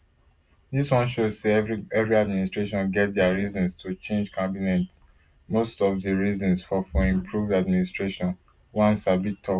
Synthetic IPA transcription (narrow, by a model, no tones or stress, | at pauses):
diswɔ̃nʃozseɛvɹiadministɹ̥eʃɔ̃nɡɛt̚dɛaɹizɔ̃nstʰut͡ʃẽnd͡ʒkʰãbinɛts | mostɔvdəɹizɔ̃nsfɔfoĩmpʰɹuvdadministɹeʃɔ̃n | wãnsabitʰɔ